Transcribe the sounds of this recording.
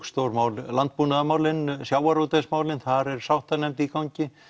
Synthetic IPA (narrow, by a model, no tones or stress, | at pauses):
kst̪owɾmaːwllant̪̚puːnaðamaːwlɪnsjaːwaɾut̪esmaːwlɪnθaɾɛɾsawht̪anɛmt̪ikawɲcɪ